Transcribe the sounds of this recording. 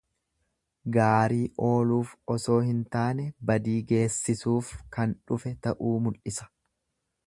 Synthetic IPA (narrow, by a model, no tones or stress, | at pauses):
ɡaːɾiːʔo̞ːluːfɔso̞ːhɪnt̪aːnɛbɐd̪iːɡe̞ːsːɪsuːfkɐnᶑʊfɛt̪ɐʔuːmʊlʔɪsɐ̥